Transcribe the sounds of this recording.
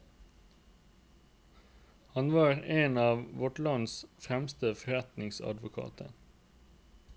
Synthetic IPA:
hɑnʋɑːɾeːnɑːʋʋɔʈlɑnsfʁɛmst̪əfɔɾɛt̪nɪŋsɑ̰d̪ʋʊkʰɑ̰ːt̪ʰə

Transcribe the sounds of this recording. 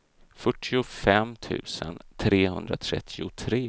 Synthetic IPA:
fœʈʰːɪʊfɛmːt̪ʰʉ̟ːsənt̪ʰɾeːhɵnd̪ɾat̪ʰɾɛ̰t̪ʰːɪʊt̪ʰɾeː

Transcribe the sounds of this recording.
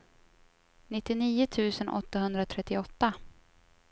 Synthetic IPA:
nɪt̪ːɪniːʊt̪ʰʉ̟ːsənʔɔ̰t̪ːaɦɵnd̪ɾat̪ʰɾɛt̪ːɪɔt̪ːa

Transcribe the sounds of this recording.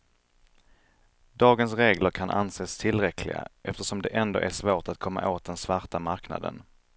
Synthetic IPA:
d̪ɑːɡənsɾeːɡləɾkʰanʔa̰nseːst̪ʰɪlːɾɛkʰlɪɡa̰ʔɛft̪əʂɔmd̪ɛʔɛnd̪o̰ːʔæʂvoːʈat̪kʰɔmːa̰ʔoːt̪̚d̪ɛnsvaɾʈamaɾkna̰d̪ə̰n

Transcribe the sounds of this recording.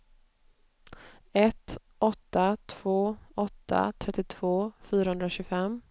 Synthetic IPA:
ɛt̪ | ɔt̪ːat̪ʰv̥oːɔt̪ʰːa̰t̪ʰɾɛt̪ːɪt̪ʰv̥oːfyːɾahɵnd̪ɾaɕɵːɡfɛmː

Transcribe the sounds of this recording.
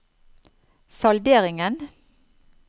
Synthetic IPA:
sɑld̪eːʁɪŋən

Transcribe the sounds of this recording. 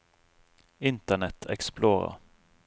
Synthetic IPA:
ɪnt̪ənɛt̪ʰɛ̰ksploːʁɑ̰

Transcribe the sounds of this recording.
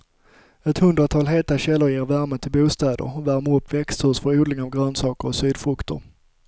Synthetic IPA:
ɛt̪hɵnd̪ɾat̪ʰɑːlɦeːt̪aɕɛlːəɾjeːɾvæɾmət̪ʰɪlbuːst̪ɛːd̪ə̰ɾɔvæɾməɾɵpʰːvɛkst̪ʰʉːʂfœɾuːd̪lɪŋavɡɾøːnsɑːkəɾɔsyːd̪fɾɵkt̪ʊ̰ɾ

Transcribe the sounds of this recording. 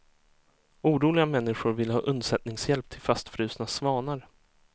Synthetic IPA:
uːɾuːlɪɡamɛnːɪɧʊɾvɪlːhɑ̰ːʔɵnd̪sɛt̪̚nɪŋsjɛlp̚t̪ʰɪlfast̪fɾʉ̟ːsnasvɑːnaɾ

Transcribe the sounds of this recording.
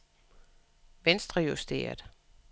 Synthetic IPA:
ʋensd̥ʁɐjusd̥e̝̰ːɐd̥ˠ

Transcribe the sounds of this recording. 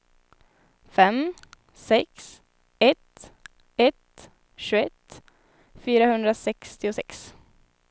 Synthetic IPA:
fɛm | sɛks | ɛt̪ | ɛt̪ | ʃʉːɛt̪ | fyːɾahɵnd̪ɾasɛkst̪ɪʊsɛks

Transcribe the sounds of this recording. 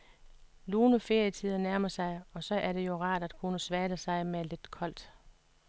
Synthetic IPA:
luːnəfe̝ɐ̰jət͡sʰið̰ˠɐnæɐmɐsɑ̈ɪɒ̽sɒ̽ʔæɐɾ̥e̝jo̝ʁɑ̰̈ːd̥æd̥kʰunəsʋæːd̥əsɑ̈ɪmele̝d̥kʰɒ̽l̰d̥

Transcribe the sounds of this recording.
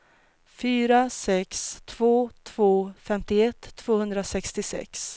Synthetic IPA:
fyːɾasɛkst̪ʰv̥oːt̪ʰv̥oːfɛmt̪ɪɛt̪ʰːv̥oːhɵnd̪ɾasɛkst̪ɪsɛ̰ks

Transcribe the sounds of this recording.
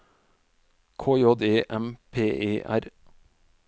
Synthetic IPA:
kʰoːjoːd̪eːʔɛmpʰeːʔeːʔæ̰ɾ

